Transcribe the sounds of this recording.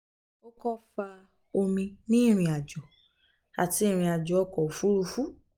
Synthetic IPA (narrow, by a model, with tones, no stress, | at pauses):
o˦kɔ˦fa˧ | o˧mĩ˧nĩ˦˨ɾ̃ĩ˧a˨d͡ʒɔ˨ | a̰˨tĩ˧˦˨ɾ̃ĩ˧a˨d͡ʒɔ˨ɔ˦˧˨kɔ˨fu˨˦ɾu˧fu˦